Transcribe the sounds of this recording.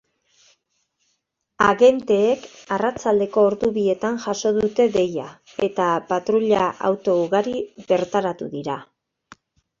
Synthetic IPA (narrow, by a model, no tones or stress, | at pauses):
aɣe̞nt̪e̞ːkarat͡sald̪e̞ko̞ːɾðuβie̞t̪anʝaso̞ðut̪e̞ðe̞ja | e̞t̪apat̪ɾuʎaʔa̰wt̪o̞uɣaɾiβe̞ɾt̪aɾat̪uðiɾa